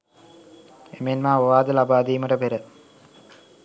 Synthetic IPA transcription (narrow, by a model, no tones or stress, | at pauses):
emenmaːʋoʋaːd̪ɐlabaːd̪iːmɐʈɐpeɾə